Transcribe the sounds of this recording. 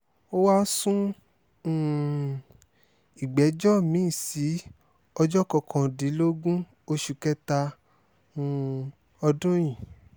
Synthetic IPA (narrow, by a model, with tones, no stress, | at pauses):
o˦wa˦sũ˦˨ | i˨ɡ͡bɛ˨˦d͡ʒɔ˦mĩ˨˦˨si˨˦ | ɔ˧d͡ʒɔ˦kɔ˧˨kʰɔ̃˨di˨˦lo˦ɡũ˦ | o˧ʃu˨kɛ˦ta˧ | ũ˧˦ | ɔ˧dũ˦j̃ĩ˨